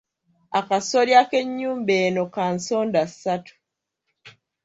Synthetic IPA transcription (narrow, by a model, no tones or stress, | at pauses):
akasoɾjakeɲːuːmbenokansoːndasatu̥